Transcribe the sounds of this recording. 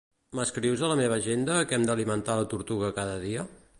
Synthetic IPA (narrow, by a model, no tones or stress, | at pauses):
məskɾiwzələmeβ̞əʒend̪əkɛmd̪əlimənt̪alət̪uɾt̪uɣəkaðəðiə